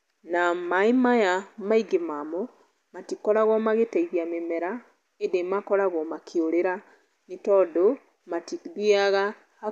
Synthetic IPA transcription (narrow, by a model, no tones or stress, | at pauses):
namaemajamaiɡemamɔ | matikɔɾaɣwɔmaɣetaiɣjamemɛɾa | edemakɔɾaɣɔmakʰeoɾeɾa | netɔːdo | matiðiaɣa